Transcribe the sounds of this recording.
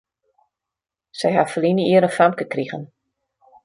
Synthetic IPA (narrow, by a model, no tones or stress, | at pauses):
sɛjɦafəlinəiəɾənfamkəkriɣən